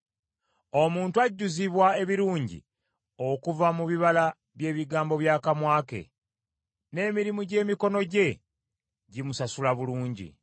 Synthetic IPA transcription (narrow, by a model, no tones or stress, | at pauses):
o̞muːntuaɟːuziβwae̞βiɾuːɲɟḭ | o̞kuvamuβiβala | βje̞ːβiɡaːmbo̞βjaːkamwaːke̞̰ | ne̞ːmiɾimuɟe̞ːmiko̞no̞ɟe̞ | ɟimusasulaβuluːɲɟḭ